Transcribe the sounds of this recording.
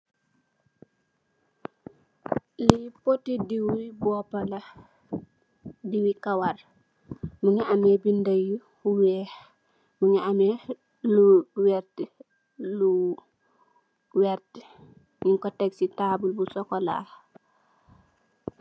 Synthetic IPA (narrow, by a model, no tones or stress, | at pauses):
lipotidiwibɔːpɐlɐ | diwikawar | muŋaʔamebindaju | huwɛː | muŋaame | luwɛɾt | lu | wɛɾt | ɲiŋkɔtɛksitaːbulbusɔkɔla̰ː